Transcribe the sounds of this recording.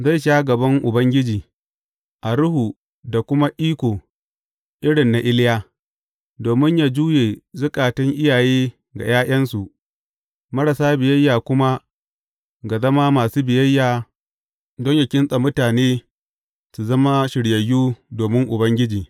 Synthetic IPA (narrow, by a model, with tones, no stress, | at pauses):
za˦˨jʃaː˦ɡɐ˨bɐ˦ŋʔʊ˨bɐ˦ŋɡʲɪ˦d͡ʒiː˨ | ʔa˨ɽʊ˦hu˨ | da˨kʷʊ˦ma˦ʔiː˦kʷoː˨ | ʔɪ˦ɽɪ˨nːa˨ʔɪ˦ljaː˦ | doː˨mɪ˦ɲjaː˦d͡ʒuː˦jeː˨zʊ˦kʼaː˨tɪ˦ŋʔɪ˦jaː˨jeː˦ | ɡa̰˨jaː˦ʔʲɐ˦nsu˨ʔ | mɐ˦ɾɐ˨saː˦bɪ˨jɐ˦jːaː˨kʷʊ˦ma˦ | ɡa˨zɐ˦ma˦maː˨suː˦bɪ˨jɐ˦jːaː˨ | dɔ˦ɲja˨kʲɪ˦nsʼɐ˨mʊ˦taː˨neː˦ | su˨zɐ˦ma˦ʃɪ˨ɽjɐ˨jːuː˦doː˨mɪ˦ŋʔʊ˨bɐ˦ŋɡʲɪ˦d͡ʒiː˨